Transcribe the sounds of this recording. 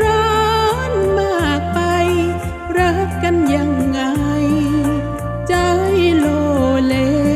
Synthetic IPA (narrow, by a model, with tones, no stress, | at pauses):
ɾɔ˧nmaː˧˩k̚pa˧j | ɾəː˧˥p̚ka˧nja˧˩ŋːa˧j | t͡ɕə˧˥jlo˧˩le˧